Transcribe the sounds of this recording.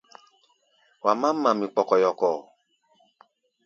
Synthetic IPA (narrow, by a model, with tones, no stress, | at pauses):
wa˨mã˦m̩˦mã˨mĩ˨k͡pɔ˨kɔ˨jɔ˨kɔ˨